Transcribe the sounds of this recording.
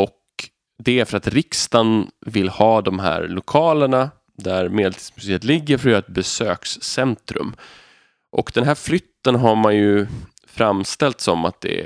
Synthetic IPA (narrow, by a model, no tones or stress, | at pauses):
ɔk | d̪ɛæɾfœɾat̪ɾɪkst̪anvɪlːhɑːd̪ɔmɦæ̰ːɾlʊkʰɑːləɳa | d̪æɾmeːd̪ɛlt̪ʰi̥spsɪət̪lɪɡːəɾfɾyːɾaɛt̪̚bɛsøːksːɛnt̪ɾɵ̰m | ʔɔkd̪ɛnɦæːɾflʏt̪ːənɦaɾmanjɵ | fɾamːst̪ɛlt̪sɔmat̪̚d̪ɛ̰